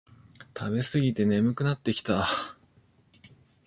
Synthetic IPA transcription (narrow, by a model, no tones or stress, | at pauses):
t̪ʰabe̞sɨɡʲit̪e̞ne̞mɯ̟kɯ̟nat̪ːe̞kʲi̥t̪a